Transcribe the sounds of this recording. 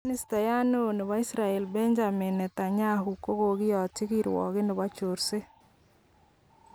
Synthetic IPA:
nɪ˦sta˨ja˦no˦˨nɪ˨wa˦i˦sɾa˨ɛ˨lbɛ˦ɲd͡ʒa˨mɪ˨nɛ˨ta˨ɲa˦ɦu˨ko˦ɡo˨ɡɪ˦jɔ˨tɪ˦ki˦ɾwɔ̰˨kɪ˦nɪ˨ba˦t͡ʃo˨ɾse˦

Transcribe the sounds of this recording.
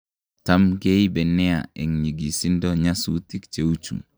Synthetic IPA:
ta˦mɡe˦jibɛ˨nːɛa̰˨ɛ˨ŋɲi˨ɡi˨si˦ndoɲa˦suti˦kt͡ʃe˨u˦t͡ʃṵ˨

